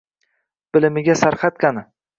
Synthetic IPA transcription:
b̥ɪlɪmɪɡʲasaɾqat̪̚kʲanɪ

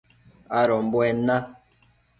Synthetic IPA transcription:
aɾɔmbwɛnã

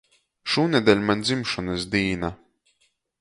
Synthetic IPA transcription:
ʃuːnʲɛd̪ʲɛlʲmanʲd̪zimʃɔnɨs̬d̪iːna

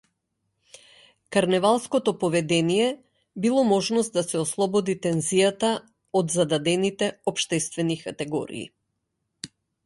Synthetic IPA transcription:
kaɾnɛvalˠskɔt̪ɔpɔvɛd̪ɛnijɛ | bilˠɔmɔʒnɔst̪̚d̪asɛɔslˠɔbɔd̪it̪ɛnzijat̪a | ɔd̪zad̪ad̪ɛnit̪ɛɔpʃt̪ɛst̪vɛnikat̪ɛɡɔ̰ɾḭː

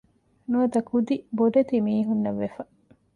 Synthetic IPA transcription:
nuɐt̪ɐkud̪iboɖ̪ɐt̪imiːɦunːɐʋːefɐ

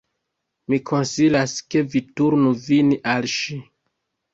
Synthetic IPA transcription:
mikʰo̞nsilaske̞vituɾnuviniʔalʃi

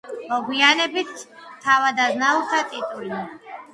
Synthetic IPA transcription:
mɔɡwianɛbit̪ʰt̪ʰːavad̪aznaulˠt̪ʰat̪ʼit̪ʼuli

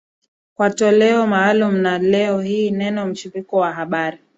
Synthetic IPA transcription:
kwatɔlɛɔmaːlum̩nalɛɔhiːnɛnɔm̩t͡ʃipikɔwaɦaɓaɾi

